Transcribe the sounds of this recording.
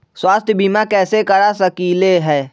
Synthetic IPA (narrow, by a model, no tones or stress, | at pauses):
swaːst̪ʰjəbimakɛːsekɐɽasɐkiːleɦɛː